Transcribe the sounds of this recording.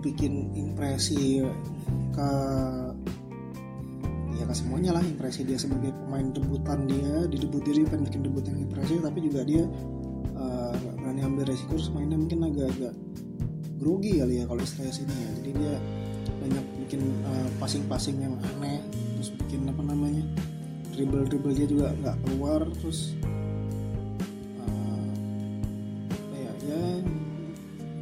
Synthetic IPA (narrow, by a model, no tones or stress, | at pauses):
bikɪnimpɾesi | kə | jakəsəmuaɲalahimpɾesidiasəbaɡajpəmaɪndəbut̪andiadidəbʊt̪̚diaɾipaɪnbikɪndəbʊt̪jaŋimpɾes̬it̪apid͡ʒuɡadia | əabəɾaniambɪlɾesikʊɾsmaɪnɲamuŋkɪnaɡaːɡaʔ | ɡɾoɡiɡaljakaloist̪alasinijad͡ʒadidia | baɲak̚bikɪnəpasɪŋpasɪŋjaŋa̰nɛʔt̪ɾʊsbukɪnapanamaɲa | ribəlribəldiad͡ʒuɡaŋɡaʔkəluart̪ɾʊs | ə | ajaʔja